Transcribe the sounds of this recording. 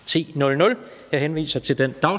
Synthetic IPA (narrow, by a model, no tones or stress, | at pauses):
t͡sʰḭːnɔ̽lnɔ̽l | hɑɦenʋḭːsɐt͡sʰe̝ld̥end̥ɑ̈ʊ